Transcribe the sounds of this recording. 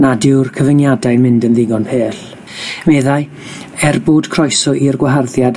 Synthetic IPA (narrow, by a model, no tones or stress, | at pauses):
nadɪwrkʰəvənjadajnmɪndənðɪɡɔnpʰeːɬ | mɛðaj | ɛrboːd̥kʰrɔjsɔʔirɡwaɦarðjad